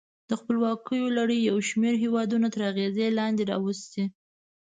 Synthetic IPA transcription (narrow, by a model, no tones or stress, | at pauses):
d̪̥əxpəlwɑkəjolaɽəjːawʃmeɾɦewɑd̪unat̪əɾaɣezelɑnd̪eɾɑ̰wəst̪e